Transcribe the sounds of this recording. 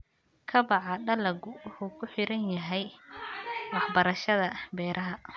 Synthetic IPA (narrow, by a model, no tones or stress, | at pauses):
kʰɐbɑʕɑɖɐlɐɡʊwʊħuːkʰʊħɪɾɐnjɐɦɛj | wɑħbɐɾɐʃɐðɐbɛːɾʔɐɦɐ